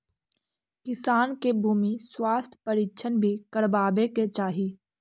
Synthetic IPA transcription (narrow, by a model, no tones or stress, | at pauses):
kɪsaːnkebʱuːmiswaːst̪ʰpəɾiːkʃʰənbʱikəɽbaːbeket͡ʃaːɦiː